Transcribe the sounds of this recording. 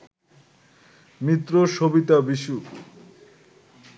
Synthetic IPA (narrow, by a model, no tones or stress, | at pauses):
mit̪ːɾoʃobit̪abiʃu